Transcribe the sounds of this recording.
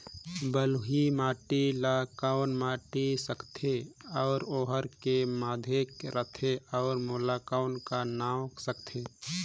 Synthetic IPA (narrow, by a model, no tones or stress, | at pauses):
bəluɦimaːʈilakaʊnmaːʈisəkt̪ʰeɔːɾoːɦəɾkemaːd̪ʱekɾət̪ʰeɔːɾmoːlakaʊnkanaːwksəkt̪ʰe